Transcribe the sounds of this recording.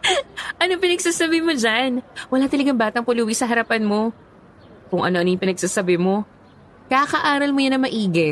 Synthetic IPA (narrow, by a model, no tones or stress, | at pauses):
ʔɐnopɪnɐɡsaːsɐbɪmod͡ʒanwɐlat̪ɐlɐɡɐŋbaːt̪ɐŋpʊluːwisɐɦɐɾɐpanmo̞ | kʊŋʔɐ̰no̞ʔɐnojʊ̃pɪnɐɡ̚saːsɐbɪmo̞ | kakɐʔaːɾɐlmojɐnɐŋmɐʔiːɡɛ